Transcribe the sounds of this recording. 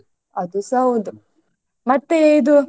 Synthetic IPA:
ɐd̪usɐund̪u | mɐt̪ːeid̪u

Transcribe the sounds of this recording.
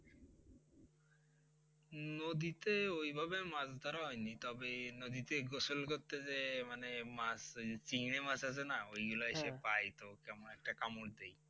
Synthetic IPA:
nod̪it̪eojbʱabemazd̪ʱɔɾaɦɔjnit̪ɔbenod̪it̪eɡosolkoɾt̪ed͡ʑemanemast͡ɕiŋnemasasʰenaojɡulaeʃepajt̪okɛmonɛk̚ʈakamoʈ̚d̪ej

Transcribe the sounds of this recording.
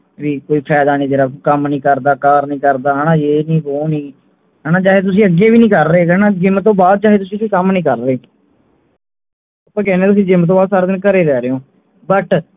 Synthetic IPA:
ʋiːkoːiːpʰɛːd̪aːnĩːd͡ʒ̪eːɾaːkəmnĩːkəɾd̪aːkaːɾnĩːkəɾd̪aːɦɛːnãːeːnĩːkoːnĩː | ɦɛːnaːt͡ʃaːɦeːt̪̬ʊs̬ĩːəɡːeːʋiːnĩːkəɾːeːkɛːnãːd͡ʒɪmt̪ːõːbaːd̪̚t͡ʃaːɦeːt̪ʊsĩsĩːkəmnĩːkəɾɾeː | apãːkɛːnẽːt̪ʊs̬ĩːd͡ʒɪmt̪̬õːbaːd̪saːɾeːd̪ɪnkəɾeːɾɛːɾeːõː | bəʈ

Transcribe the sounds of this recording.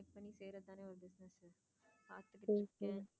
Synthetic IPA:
k̚pɐnːiseːɾɐðt̪ːãːneːɔɾɯbɪsnɐs | paːt̪ːɯkːɪːkːẽ

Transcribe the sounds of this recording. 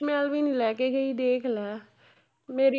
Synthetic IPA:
mɛːlʋinĩlɛːkeɡəid̪eːkʰlɛː | meːɾi

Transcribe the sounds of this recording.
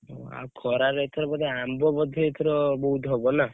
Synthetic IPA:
ɦo̰a̰kʰɔɾaɾeet̪ʰɔɾɔbɔd̪ʱeambɔbɔd̪ʱɔet̪ʰɔɾɔbɔɦut̪ɦɔbɔna

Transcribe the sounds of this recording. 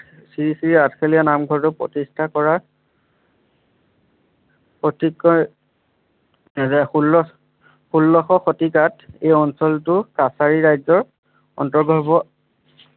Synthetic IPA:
siɹisiɹiatʰkʰelijanamɡʱɔɹtʊpɹɔ̰tistʰakɔɹa | pɔtikːɔ | zɛxulːɔ | xulːɔxɔxotikatejɔnsɔltʊkasaɹiɹajzɔɹ | ɔ̰ntɔɹɡʱɔbɔ

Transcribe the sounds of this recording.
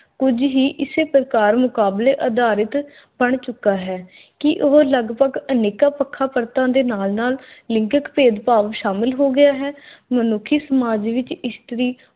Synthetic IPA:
kʊd͡ʒɦiːʔɪseːpɾəkaːɾmʊkaːbleːʔəd̪aːɾɪt̪ | bəɳt͡ʃʊkːaːɦɛː | kɪʔoɦləɡpəɡəneːkaːpəkʰːaːpəɾt̪ãːd̪eːnaːlnaːlːɪ̃ŋkəkpeːd̪paːʋʃaːmɪlɦoːɡɪjaːɦɛːmənʊkʰːiːsəmaːd͡ʒʋɪt͡ʃɪst̪əɾiː

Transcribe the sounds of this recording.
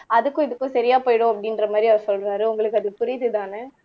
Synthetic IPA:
ɐðɯkːʊ̃ɪðɯkːʊ̃sɐɾɪjaːpoːjɽõɐpːɐɽɪnɾɐmaːd̪ɾiɐʋɐɾsɔlɾaːɾɯʊŋɡɐɭɯkːɯɐðɯpʊɾɪðɯðaːnɛ

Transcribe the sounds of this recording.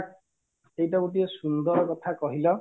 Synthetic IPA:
sejtabuʈ̬iɔsund̪ɔɾkɔt̪ʰakɔɦilɔ

